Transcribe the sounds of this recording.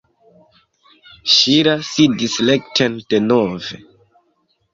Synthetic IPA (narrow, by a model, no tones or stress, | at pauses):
ʃiɾasidislektʰend̥enovḛ